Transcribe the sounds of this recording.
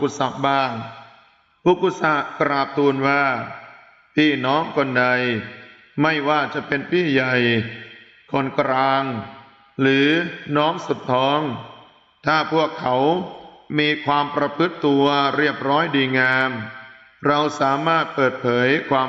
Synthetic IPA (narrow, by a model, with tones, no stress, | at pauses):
ku˧˥sa˨˩k̚baː˥˩ŋ | puː˧˩kʰːu˧˩sa˨˦˩ʔkɾaː˨˩p̚t̪ʰuː˧nwaː˥˩ | pʰiː˥˩nɔː˦˥ŋkɔ˧nda˧j | ma˥˩jwaː˥˩t͡ɕa˨˩ʔpe˧npʰiː˥˩ja˨˩j | kʰo˧nkɾaː˧ŋ | ɾɯː˩˦nɔː˦˥ŋsu˨˩p̚t̪ʰɔː˦˥ŋ | t̪ʰaː˥˩pʰu˥˩əkʰːa˩˦wmiː˧kʰwaː˧mpɾa˧pʰɯ˦˥t̪ːu˧ɐɾi˥˩əp̚ɾɔː˦˥jdiː˧ŋaː˧m | ɾa˧wsaː˩˦maː˥˩t̪̚pɤː˨˩t̪̚pʰɤː˩˦jkʰwaː˧